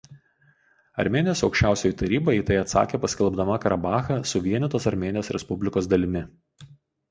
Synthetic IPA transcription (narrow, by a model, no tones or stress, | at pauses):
ɐ̰ɾʲmʲeːnʲjoːsɒʊkʃʲt͡ʃʲæʊsʲoːjit̪ɐɾʲiːbojit̪ɐɪɐt̪sɑ̰ːkʲeːpɐsʲkʲɛlˠbd̪ɐmɐkɐɾɐbɑːxɐsʊʋʲiɛnʲɛt̪oːsɐɾʲmʲeːnʲɪjoːsɾʲɛ̰spʊbʲlʲɪkoːsd̪ɐlʲɪmʲɪ